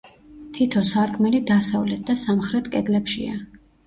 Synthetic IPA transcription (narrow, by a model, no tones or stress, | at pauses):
t̪ʰit̪ʰɔsaɾkʰmɛlid̪asavlɛt̪̚ʰd̪asamχɾɛt̪ʰkʼɛd̪lɛpʃḭa̰